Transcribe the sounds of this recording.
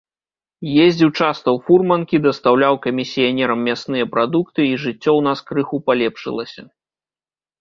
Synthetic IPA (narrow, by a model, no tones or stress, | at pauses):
jezʲd͡zʲiwt͡ʂast̪ɐwfurmɐnkʲid̪ɐst̪awlʲawkɐmʲisʲijanʲɛɾɐmːʲast̪nɨjɐpɾad̪ukt̪ɨiʐɨt͡sʲːɔwn̪askɾɨxupalʲɛpʂɨ̰lˠɐsʲɐ